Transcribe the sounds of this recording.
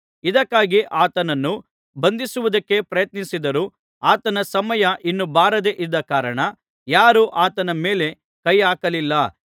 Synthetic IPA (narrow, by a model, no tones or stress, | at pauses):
id̪ɐkːaːɡiʔaːt̪ɐnɐnːu | bɐnd̪isuʋud̪ɐkːe̞pɾɐjɐt̪̚nisid̪ɐɾuː | aːt̪ɐnɐsɐmɐjɐʔinːubaːɾɐd̪e̞ʔid̪ːɐkaːɾɐɳɐ | jaːɾuʔaːt̪ɐnɐme̞ːle̞ | kɐjaːkɐlilːɐ